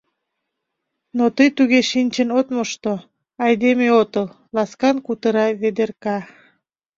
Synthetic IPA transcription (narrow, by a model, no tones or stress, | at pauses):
not̪əjt̪uɣeʃinʲt͡ɕənot̪moʃt̪o | ɑjd̪emeot̪əl | lɑskɑnkut̪əɾɑβed̪erkɑ